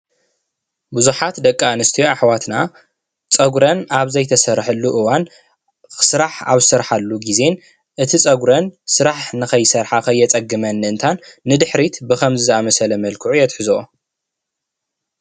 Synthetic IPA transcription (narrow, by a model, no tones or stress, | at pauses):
buzuħat̪d̪ɐkʼːaɨnɨst̪ʰijoaħwat̪na | t͡sʼɐɡɾɐnaβzɐjt̪ʰɐsɐɾħɨlːuʔɨwan | kɨ̥sɨɾaħa̰βsɨɾħalːuɡize̞n | ʔɨt̪ʰit͡sʼɐɡɾɐnsɨɾaħnɨxɐjsɐɾħakʰɐjːɛt͡sʼɐɡɨmɐnːɨɨnt̪ʰanːɨd̪ɨħɾit̪bɨkʰɐmzɨzɐamɐsɐlɐmɐlkʰɨʕujɛt̪ħɨzoo